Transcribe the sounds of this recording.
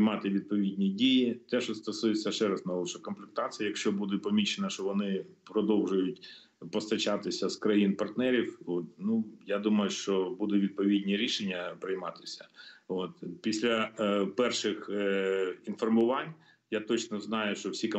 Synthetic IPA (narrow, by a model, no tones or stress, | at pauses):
mɑt̪ɪʋʲid̪̚pɔʋʲidʲnʲidʲijit̪ɛʃɔst̪ɐsujet͡sʲːɐʃɛɾɛznɐlˠɔʃɐkɔmflʲɪk̚t̪ɑt͡s̪ʲɪjɐjɐkʃt͡ʃɔbud̪ɛpɔmʲit͡ʃenɐʃt͡ʃɔʋɔnɪpɾɔd̪ɔwʒʊjʊtʲ | pɔst̪ɐt͡ʃɑt̪ɪsʲɐskɾɐjinpɐrt̪nɛɾʲiwot̪nujad̪umɐjʊʃt͡ʃɔbud̪ʊʋʲid̪̚pɔʋʲidʲnʲiɾʲiʃenʲːɐpɾɪjmɑt̪ɪ̥sʲɐ̥ot̪̚pʲisʲlʲɐpɛrʃɪx | infɔrmʊʋɑnʲ | jat̪ɔt͡ʃnɔznɑjʊʃt͡ʃɔwsʲik